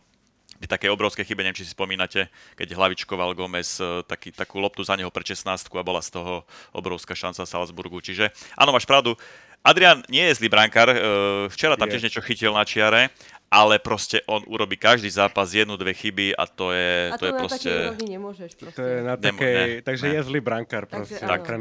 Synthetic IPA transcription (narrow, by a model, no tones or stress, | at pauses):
it̪akɛjɔbɾɔʊskɛjxibɛɲɛɛmt͡ʃisi̥spɔmiːnacɛkɛɟɦlaʋit͡ʃkɔʋalɡɔmɛst̪akiːt̪akuːlɔp̚t̪uzaɲɛɦɔpɾɛʃɛsnaːst̪̚kuabɔlast̪ɔɦɔɔ̰bɾɔʊskaʃant͡safsa̰lzbuɾɡut͡ʃiʒɛʔa̰nɔmaːʃpɾaʊd̪u | ad̪ɾianɲɪɛjɛzliːbɾaŋkaɾft͡ʃɛɾat̪amcɪɛʒɲɛt͡ʃɔxicilnat͡ʃɪaɾɛ | ʔalɛpɾɔscɛʔɔnʔuɾɔbiːkaʒd̪iːzaːpazjɛd̪nud̪ʋɛxibia̰t̪ɔjɛt̪ɔjɛppɾɔscɛɲɛmʒɛt̪ɔjɛnatɲaɛmɔɛnɛt̪aɡʒɛjɛzlibɾaŋkaɾpɾɔsɛt̪ak